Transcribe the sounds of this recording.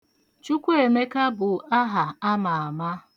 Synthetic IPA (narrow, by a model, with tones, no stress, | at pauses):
t͡ʃu˦kʷu˦e˨me˦ka˦bʊ˨a˦ɦa˨a˦ma˨a˨ma˦